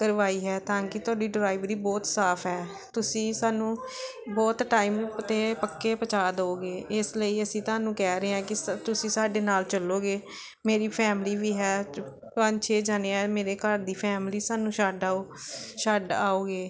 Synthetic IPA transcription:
kəɾʋaːiːɦɛːt̪ãːkɪt̪ʊaːɖiːɖɾaːɪʋɾiːbɔːt̪saːpʰɦɛː | t̪ʊsĩːsaːnũː | bɔːt̪ʈaːiːmət̪eːpəkːeːpət͡ʃaːd̪oːɡeːɪsləiːəsĩːt̪ʊaːnũːkɛːɾəeãːkɪt̪ʊsĩːsaːɖeːnaːlt͡ʃəloːɡeː | meːɾiːpʰɛːmliːʋiːɦɛː | pəɲt͡ʃʰeːd͡ʒaːneːameːɾeːkəɾd̪iːpʰɛːmliːsaːnũːʃaɖaːoːʃaɖaːoːɡeː

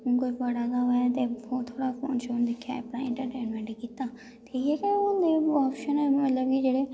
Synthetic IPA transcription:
ʊnkoːibəɽaːɡ̪aːɦoːjat̪eːbɔːt̪ʰːoːɽaːpʰo̰ːnt͡ʃond̪ekʰja̰ə̰pnaːɪ̃ɳʈəɾʈeːnmɛ̃ɳʈkiːt̪aː | t̪ʰiːɛːkeʊd̪eːɔːpʃənɛːmət̪ləbkid͡ʒeːɽeː

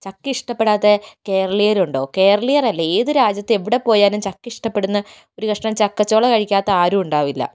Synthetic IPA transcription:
t͡ɕɐkːɨiʂʈɐpːe̞ɽaːt̪ːeke̞ːrɐɭijɐɾuɳɖo̞ːke̞ːrɐɭijɐrɐlːɐeːðɨɾaːd͡ʑjɐt̪ːeʋiɽe̞po̞ːjaːnumt͡ɕɐkːiʂʈɐpːeɽunːɐ | o̞ɾukɐʂɳɐmt͡ɕɐkːɐt͡ɕːo̞ːɭɐkɐɻikʲːaːt̪ːɐaːɾuuɳɖaːʋilːɐ̰

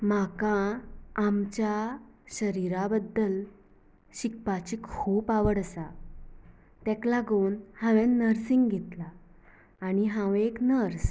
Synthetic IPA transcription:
makãː | mt͡ɕjaɕəɾiɾabəd̪ːəl | ɕikpat͡ɕikʰuːpaʋəɽəsa | t̪ɛklaɡonhãʋɛ̃nnːəɾsiŋɡɡʱet̪laː | ñiɦãweknəɾs

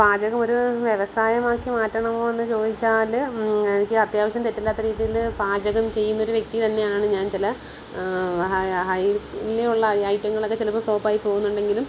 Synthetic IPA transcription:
paːd͡ʑɐɣɐmo̞ɾuʋjeʋɐsaːjɐmaːkːimaːtːɐɳɐmo̞ːe̞nːɨt͡ɕo̞ːd̪it͡ɕːaːlenikʲːɨɐt̪jaːʋɐʂ̬jɐmt̪etːilːaːt̪ːɐɾiːðijilbaːd͡ʑɐɣɐmt͡ɕe̞jːunːɐo̞ɾuʋje̞k̚t̪it̪ɐnːe̞jaːɳɨɲaːnt͡ɕilɐ | ɦɐjleuɭːɐɐjtːɐŋːɐɭokːet͡ɕelɐpːɨfo̞ːpːaːjipːo̞ːɣunːuɳɖe̞ŋɡilum

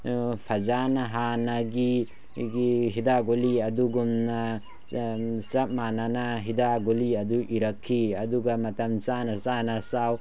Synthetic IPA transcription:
pʰɐzanɐɦanaɡi | ɡiɦidaɡoliɐduɡumna | sɐp̚mananaɦidaɡoliɐduʔiɾɐkʰːiɐduɡamɐtɐmsanɐsanasaw

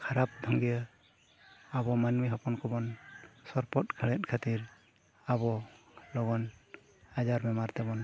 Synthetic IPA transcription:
kʰaɾap̚d̪ʱɔŋɡijə | abɔmanmiɦɔpɔnkʰɔbɔnsɔɾpɔt̪̚kʰəɭɛt̪̚kʰat̪iɾ | abɔ | lɔɡɔn | ad͡ʒaɾmɛmaɾt̪ɛbɔn

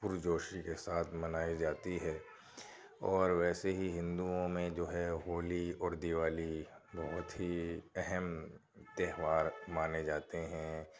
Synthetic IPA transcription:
pʊɾd͡ʒoːʃikesaːt̪ʰmɐnaːid͡ʒaːt̪iɦɛː | ɔːɾʋɛːseɦiɦɪ̃nd̪uõmẽd͡ʒoːɦɛɦoːliɔːɾd̪ɪʋaːlibɔɦʊt̪ɦiɛɦɛm | t̪ɛːɦʋaːɾmaːned͡ʒaːt̪eɦɛ̃

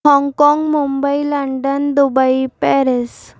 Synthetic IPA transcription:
ɔŋkɔŋɡmumbəiləɳɖənd̪ubaipɛɾes

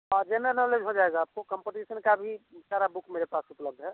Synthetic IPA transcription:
əd͡ʒenəɾnəled͡ʒɦod͡ʒaeɡaːp̚kokəmpeʈisənkabʱisaɾabukmeɾepasupləb̚d̪ʱɦɛ

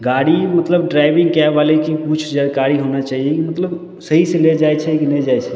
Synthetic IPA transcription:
ɡaɽimət̪ləbɖɾaɪbɪ̃ŋɡkɛʋalekiput͡ʃʰd͡ʒəɽkaɾiɦonat͡ʃaːɦiekimət̪ləb | səɦiseled͡ʒajt͡ʃʰɛkinɛd͡ʒajt͡ʃʰɛ

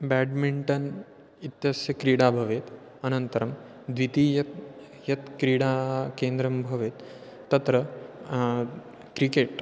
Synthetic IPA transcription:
bæːɖmiɳʈɐn | it̪jɐsjɐkɾiːɽaːbʱɐʋeːt̪ | ɐnɐnt̪ɐɾɐm | d̪ʋit̪iːjɐt̪ | jɐt̪kɾiːɽaːkeːnd̪ɾɐmbʱɐʋeːt̪ː | ɐt̪ɾɐ | kɾikeːʈ

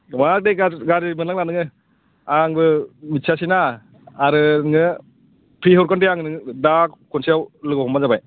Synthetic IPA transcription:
madeɡaɡaɾimɯnlaŋlanɯŋɯ | aŋbɯmitsʰasinaː | ɾɯnɯŋɯ | pʰɾiɦɔɾkɔndeaŋnɯŋdakkʰɔnsiawlɯɡɔɦɔmazabaj

